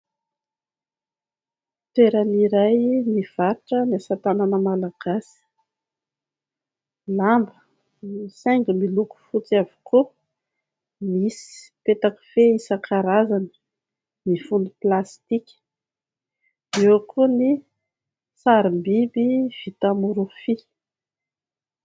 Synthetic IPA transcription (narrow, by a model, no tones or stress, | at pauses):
t̪eɾaniɾajniv̥aɾʈ͡ʂəniasat̪ananəmalaɡ̥asi̥ | lambə | isaŋɡimiluku̥fut͡siavi̥ku | misi̥i̥pet̪aki̥feisakʰaɾazanə̥ | nifund̪iplast̪ikʲə̥ | ewakʰuni | saɾimbibiv̥it̪amuɾufi